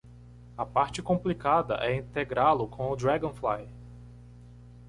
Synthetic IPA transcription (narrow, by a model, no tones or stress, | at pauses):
ɐpaɾt͡ʃɪkõmplikad̪ɐ̰ʔɛĩt̪eɡɾalʊkʰõʊd̪ɾaɡõflaj